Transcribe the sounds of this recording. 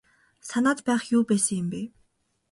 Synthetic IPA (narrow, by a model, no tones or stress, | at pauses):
sanaːt̪pæːχjuːpæːsə̆ŋjɪ̆mpeː